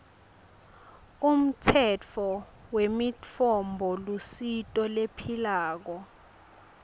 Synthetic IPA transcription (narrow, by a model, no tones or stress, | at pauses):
um̩tʰɛt͡fʰɔ | wemit͡fʰɔmbʱɔlusitʼɔlepʰilaːk̬ɔ